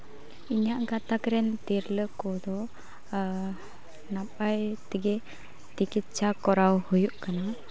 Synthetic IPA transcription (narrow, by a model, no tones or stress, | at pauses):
iɲaʔɡat̪akɾɛnt̪iɾləkɔd̪ɔ | napajt̪iɡɛ | t͡ʃikit̪̚t͡ʃakɔɾawhujuʔkana